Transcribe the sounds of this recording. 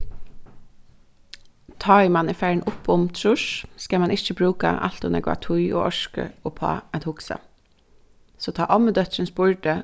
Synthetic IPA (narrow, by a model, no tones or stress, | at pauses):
t̪ʰɑːɪmɑniːfæɹɳ̩ʔʊpʰʊmt̪ʰɹʉʃskɑmɑnʔɪçəbɾʉːkɑ̰ʔɑ̰lt̪ʊnḛːɡʋɑ̰ːt̪ʰʊʏo̰ːʔɔʃkə̰oːpʰɑ̰ːɛt̪hʊksə̰ | soːt̪ʰɑːʔɑməd̪œt̪sənsbʊɹɖə